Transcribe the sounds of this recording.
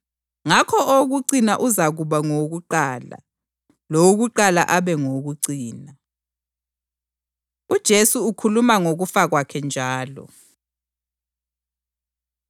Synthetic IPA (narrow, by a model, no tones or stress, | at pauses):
ŋakʰɔʔoɣuǀinaʔuzaɣuβaŋoɣuǃaːla̰ | loɣuǃala̰ʔaβɛŋoɣuǀiːna | ud̥ʒ̥ʱesuukʰulumaŋoɣufaɣwakʰɛnd͡ʒʱaːlɔ̰